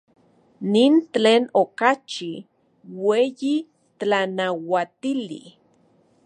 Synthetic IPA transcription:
nintt͡ɬeːnokat͡ʃi | weːji | anawat̪ilḭ

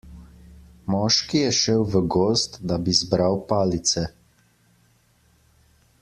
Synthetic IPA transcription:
mɔːʃkijɛʃɛwʋəɡoːst̪d̪abizbɾawpaːlit̪sɛ

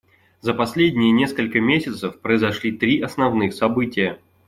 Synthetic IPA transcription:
zəpɐsʲlʲedʲnʲɪjənʲe̞skəlʲkəmʲesʲɪt̪səfpɾəɪzɐʂlʲit̪ɾʲiʔɐsnɐvnɨxsɐbɨtʲɪjə

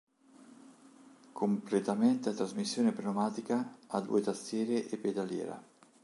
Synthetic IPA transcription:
kʰomplet̪ament̪eat̪ːɾazmisːjoːnepɾenomaːt̪ikaːd̪ːṵːet̪ast̪jɛːɾeʔepːed̪aljɛ̰ːɾa̰

